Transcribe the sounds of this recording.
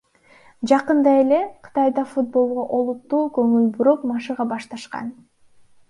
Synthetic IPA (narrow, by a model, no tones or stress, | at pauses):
d͡ʒɑqɯnd̪ɑe̞le̞qʰɯ̥t̪ɑjd̪ɑfut̪̚bo̞lˠʁoʔo̞lˠut̪ːuːkɵŋylbyɾoqmɑʃɯʁɑbɑʃt̪ɑʃqɑ̰n